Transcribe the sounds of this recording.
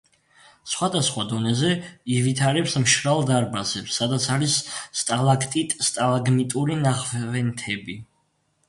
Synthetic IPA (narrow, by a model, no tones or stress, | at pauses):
sχwad̪asχwad̪ɔnɛzɛivit̪ʰaɾɛpsmʃɾalˠd̪aɾbasɛpsːad̪at̪sʰaɾisːt̪ʼalˠakʰt̪ʼit̪ʼst̪ʼalˠaɡmit̪ʼuɾinaχvvɛnt̪ʰɛbi